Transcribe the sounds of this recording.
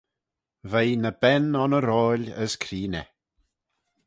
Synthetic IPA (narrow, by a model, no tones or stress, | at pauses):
vejnəbɛnɔnəɾɔːlʲə̰skʰɾiːnɛ